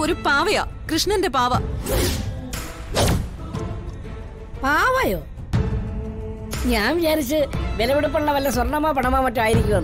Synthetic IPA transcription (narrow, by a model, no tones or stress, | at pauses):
oɾupaːʋɐja̰ːkrɨʂɳɐnde̞paːʋɐ | paːʋɐjoː | ɲaːnʋit͡ɕaːɾit͡ɕːɨʋelɐʋiɽup̬ːɐɭːɐʋɐlːɐswɐrɳɐmaːpɐɳɐmaːmːɐʈːumaːjiɾikʲːuɣɐn